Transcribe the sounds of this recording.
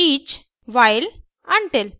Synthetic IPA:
iːt͡ɕ | ʋajl | aɳʈel

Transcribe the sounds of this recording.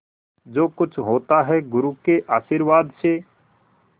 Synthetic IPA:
d͡ʒoːkʊt͡ʃʰɦoːt̪aɦɛɡʊɾuːkeʔaːʃiːɾʋaːd̪seː

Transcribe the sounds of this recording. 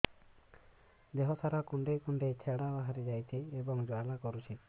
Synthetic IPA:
d̪eɦɔt̪ʰaɾakuɳɖejkuɳɖejt͡ʃʰeɽabaɦaɾid͡ʒajt̪ʰiebɔŋd͡ʒoalakɔɾut͡ʃʰi

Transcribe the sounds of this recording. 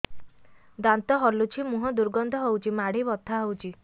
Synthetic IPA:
d̪ant̪ɔɦɔlut͡ʃʰimuɦɔd̪uɾɡɔnd̪ʱɔɦowt͡ʃʰimaɽ̤ibɔt̪ʰːaɦowt͡ʃʰi

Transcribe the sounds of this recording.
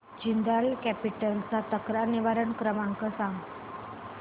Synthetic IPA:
d͡ʑind̪alkæpiʈəlt͡sat̪əkɾaniʋaɾəɳkɾəmaŋkəsãŋɡ

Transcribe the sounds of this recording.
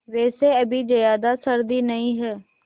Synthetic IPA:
ʋɛːseəbiːd͡ʒəjaːd̪asəɾd̪iːnəĩːɦɛː

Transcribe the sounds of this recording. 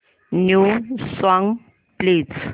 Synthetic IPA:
nusɔŋ | plet͡sʰ

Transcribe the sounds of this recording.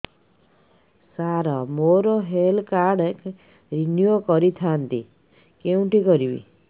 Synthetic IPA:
saɾɔmoɾoɦelkaɾɽek | ɾinjuokɔɾit̪ʰant̪ḭ | kew̃ʈikɔɾibḭ

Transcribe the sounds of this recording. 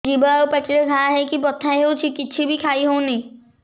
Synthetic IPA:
d͡ʒibaopɐt͡ʃɾeɡʱãɦɛkibɔt̪ʰãĩɦot͡ʃʰikɪt͡ʃʰibʱikʰaːiɦõũnĩ

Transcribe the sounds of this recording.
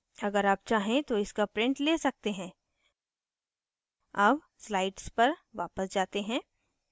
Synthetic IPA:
ɐɡəɾaːp̚t͡ʃaːɦẽt̪oɪskapɾɪ̃ɳʈleːsɐk̚t̪eɦɛ̃ː | ɐb | slaːɪɖspɐɾʋa̰ːpəsd͡ʒaːt̪eɦɛ̃ː

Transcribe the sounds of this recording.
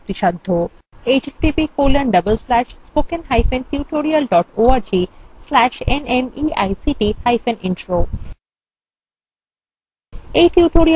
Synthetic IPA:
t̪iʃad̪ʱːo | eːt͡ʃʈipikoːlə̃ɳɖʌbəlslæʃspoːkẽnɦaɪfẽnʈjuːʈoːɾiəlɖɔːʈoːaɾd͡ʒiːslæʃenemiːa̰jsiʈihaɪfẽnɪ̃ɳʈɾoː | eʈjuːʈoːɾi

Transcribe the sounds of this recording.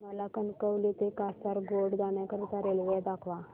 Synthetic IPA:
məlakənkəwlit̪ekast̪aɾɡoɽd̪anãkəɾut̪aɾeljɛd̪akʰʋa

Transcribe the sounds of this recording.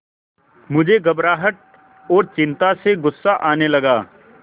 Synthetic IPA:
mʊd͡ʒʱeɡɐbɾaːɦəʈ̚ | ɔːɾt͡ʃɪ̃nt̪aseɡʊsːaʔaːnelɐɡaː

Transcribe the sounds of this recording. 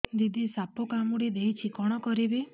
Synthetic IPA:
d̪id̪ʱisapɔkamuɽid̪eit͡ʃʰikɔɽ̃ɔkɔɾibe

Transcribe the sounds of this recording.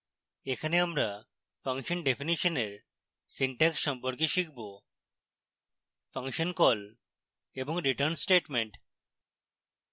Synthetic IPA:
ekʰaneamɾa | pʰaŋʃɔnɖepʰiniʃɔneɾ | siɳʈɛksʃɔmpɔɾkeʃikʰbo | pʰaŋʃɔnkɔl | ebɔŋɾiʈəɾnsʈeʈmeɳʈ

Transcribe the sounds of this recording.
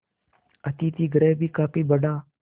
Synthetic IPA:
ət̪iːt̪iːɡɾeːbʱiːkaːpiːbəɖaː

